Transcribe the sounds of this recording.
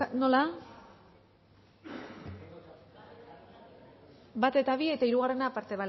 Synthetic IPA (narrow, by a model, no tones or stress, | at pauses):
no̞la | bat̪e̞t̪aβ̞ie̞t̪aiɾuɣare̞napaɾt̪e̞βa